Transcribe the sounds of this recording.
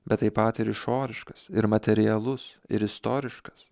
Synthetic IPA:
bʲɛt̪t̪ːɐɪpɐt̪ɪɾɪʃoːɾʲɪʃkɐsɪɾmɐt̪ʲɛɾʲɪjɛlˠʊs | ɪ̰ɾɪst̪oːɾʲɪʃkɐ̥s

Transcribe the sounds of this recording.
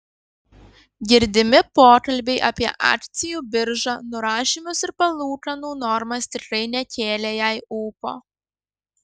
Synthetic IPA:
ɡʲɪɾʲd̪ʲɪmʲɪpoːkɐlʲbʲɛɪʔɐpʲiɛʔɑ̰ːkt̪sʲɪjuːbʲɪɾʒɑnʊɾɑːʃʲimʲʊsɪɾpɐlˠuːkɐnuːnɔɾmɐst̪ʲɪkɾɐɪnʲɛkʲeːlʲɛjæːɪuːpo̰ː

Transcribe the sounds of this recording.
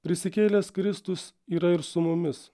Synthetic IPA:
pʲɾʲɪsʲɪkʲeːlʲeskɾʲɪst̪ʊs | iːɾɐɪɾsʊmʊmʲɪs

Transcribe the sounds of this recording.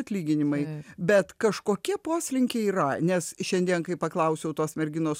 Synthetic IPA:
ɐt̪ʲlʲiːɡʲɪnʲɪmɐɪbʲɛt̪kɐʃkoːkʲiɛpoːsʲlʲɪŋʲkʲeːiːrɐnʲɛsʃʲɛnʲd̪ʲiɛnkɐɪpɐklˠɐʊsʲɛʊt̪oːsmʲɛɾʲɡʲɪnoːs

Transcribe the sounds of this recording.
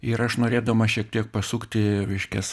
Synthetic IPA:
ɪɾɐʃnoːɾʲeːd̪ɐmɐʃʲiɛk̚t̪ʲiɛk̚pɐsuːkt̪ʲɪʋʲɪʃʲkʲɛs

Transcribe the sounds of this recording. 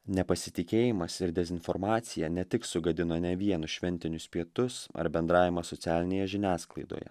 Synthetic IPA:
nʲɛpɐsʲɪt̪ʲɪkʲeːjɪmɐsɪɾd̪ʲɛzʲɪnfɔɾmɑːt̪sʲɪjɛnʲɛt̪ʲɪksʊɡɐd̪ʲɪnoːnʲɛʋʲiɛnʊsʃʲʋʲɛnʲt̪ʲɪnʲʊspʲiɛt̪ʊsɐ̰ɾbʲɛnd̪ɾɑːʋʲɪmɑsɔt̪sʲæːlʲɪnʲeːjɛʒʲɪnʲæːsklˠɐɪd̪o̰ːjɛ̰

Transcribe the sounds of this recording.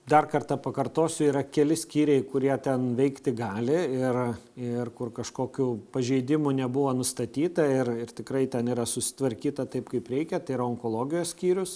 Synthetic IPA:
d̪ɐrkɐrt̪ɐpɐkɐrt̪oːsʲʊiːɾɐkʲɛlʲɪsʲkʲiːɾʲɛɪkʊɾʲiɛt̪ʲɛnʋʲɛɪkt̪ʲɪɡɑːlʲɪɪrɪrkʊrkɐʃkoːkʲuːpɐʒʲɛɪd̪ʲɪmʊnʲɛbʊʋonʊst̪ɐt̪ʲiːt̪ɐɪrɪrt̪ʲɪkɾɐɪt̪ʲɛniːɾɐsʊsʲɪ̥t̪ʋɐɾʲkʲiːt̪ɐt̪ɐɪpkɐɪpɾʲɛɪkʲɛt̪ɐɪɪɾɐoːŋkoːlˠoːɡʲɪjoːsʲkʲiːɾʲʊs

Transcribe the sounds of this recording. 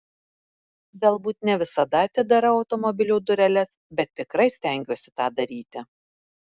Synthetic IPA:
ɡɐlˠbuːt̪nʲɛʋʲɪsɐd̪ɐɐt̪ʲɪd̪ɐɾɐɒʊt̪ɔmɔbʲɪlʲuːd̪ʊɾʲɛlʲɛsbʲɛt̪ʲːɪkɾɐɪsʲt̪ʲɛŋʲɡʲoːsʲɪt̪ɑːd̪ɐɾʲiːt̪ʲɪ

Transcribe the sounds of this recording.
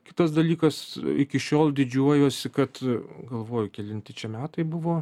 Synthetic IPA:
kʲɪt̪ɐs̬d̪ɐlʲiːkɐsɪkʲɪʃʲoːlˠdʲɪd͡ʒʲuɔjoːsʲɪkɐt̪ɡɐlˠʋoːjʊkʲɛlʲɪnʲt̪ʲɪt͡ʃʲɛmʲæːt̪ɐɪbʊʋoː

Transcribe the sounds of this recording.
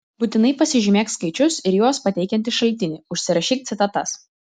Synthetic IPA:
but̪ʲɪnɐɪpɐsʲɪʒʲymʲeːkskɐɪt͡ʃʲʊsɪɾjoːspɐt̪ʲɛɪkʲɛnʲt̪ʲɪʃɐlʲt̪ʲɪnʲiːʊʃʲsʲɪɾɐʃʲiːk̚t̪sʲɪt̪ɐt̪ɐs

